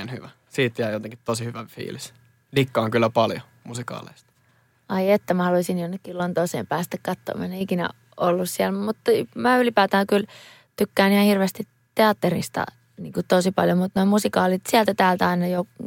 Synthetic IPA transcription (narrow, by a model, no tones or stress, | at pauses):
nhyʋæ | siːt̪jæijot̪eŋki̥t̪t̪osihyʋæfḭːlis | likːɑːŋkylːæpɑljo | musikɑ̰ːlḛist̪ | ɑiet̪ːæmæhɑluisinjonːekːilont̪oisḛːmpæːst̪ækkɑt̪ːo̰mɑ̰neikinæ̰ | olːussiælmut̪ːmæylipæːt̪æːkyl | t̪ykːæːnihɑhirʋeːst̪i | t̪eɑt̪ːerḭst̪ɑ̰ | niːŋkut̪osipɑljomut̪nomusikɑːlit̪siælt̪æt̪æːlt̪æɑinɑjo